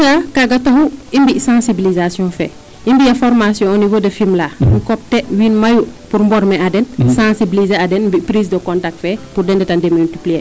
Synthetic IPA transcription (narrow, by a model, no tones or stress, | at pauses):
takaɡɐtɐhuimbisãsibilizasjɔ̃fɛ̰ | ʔimbijɐfɔɾmasjɔ̃ɔnivodɐfimlaŋkɔp̚tɛwiːnmɐjupuɾmbɔɾmɛadɛnsãsibilizeadɛnmbipɾiːs̬dəkɔ̃ntak̚tfɛpurdɛndɛtandɛmultiplie